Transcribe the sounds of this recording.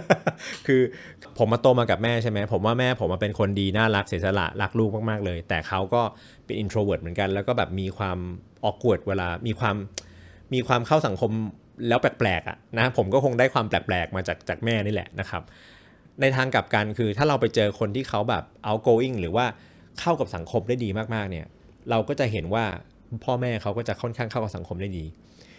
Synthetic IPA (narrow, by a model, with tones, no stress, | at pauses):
kʰɯː˧ | kpʰo˩˦mːaː˧t̪oː˧maː˧ka˨˩p̚mɛː˥˩t͡ɕʰa˥˩jma˦˥pʰo˩˦mwaː˥˩mɛː˥˩pʰo˨˩˦mʔa˧pe˧nkʰo˧ndiː˧naː˥˩la˦˥k̚si˩˦sa˧la̰˨˩ʔla˦˥k̚luː˥˩k̚maː˥˩k̚maː˥˩k̚lɤː˧jt̪ɛː˨˩kʰa˦˥wkɔː˥˩ | pe˧nʔi˧nt̪ʰɾoː˧wɤ˨˩t̪̚m˩˦nka˧nlɛː˦˥kɔː˥˩bɛː˨˩p̚miː˧kʰwaː˧mʔɔː˨˩kːu˨˩ət̪̚weː˧laː˧miː˧kʰwaː˧mː | iː˧kʰwaː˧mkʰa˥˩wsa˨˩˦ŋkʰo˧m | lɛː˦˥wplɛː˨˩k̚plɛː˨˩k̚ʔa̰˨˩ʔna˦˥pʰo˩˦mkɔː˥˩kʰo˧ŋdaː˥˩jkʰwaː˧mplɛː˨˩plɛː˨˩k̚maː˧t͡ɕaː˨˩k̚t͡ɕaː˨˩k̚mɛː˥˩niː˥˩lɛ̰˨˩na˦˥kʰa˦˥p̚ | na˧jt̪ʰaː˧ŋka˨˩p̚ka˧nkʰɯː˧t̪ʰaː˥˩ɾa˧wpa˧jt͡ɕɤː˧kʰo˧nt̪ʰiː˥˩kʰa˦˥wbɛ̰ː˨˩p̚ʔa˧wkoː˧ʔi˥˩ŋɾɯː˩˦waː˥˩ | kʰa˥˩wka˨˩p̚sa˩˦ŋkʰo˧mdaː˥˩jdiː˧maː˥˩k̚maː˥˩k̚ni˥˩ɐ | ɾa˧wkɔː˥˩t͡ɕa˨˩ʔɦe˩˦nwaː˥˩ | pʰɔː˥˩mɛː˥˩kʰa˦˥wkɔː˥˩t͡ɕa˨˩kʰɔ˥˩nkʰaː˥˩ŋkʰa˥˩wk̚sa˩˦ŋkʰo˧mda˥˩jdiː˧